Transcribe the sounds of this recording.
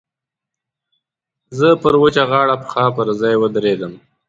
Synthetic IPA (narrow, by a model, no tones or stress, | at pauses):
zəpəɾwət͡ʃaɣɑːɽapə̥xɑːpəɾzɑjwəd̪ɾed̪əm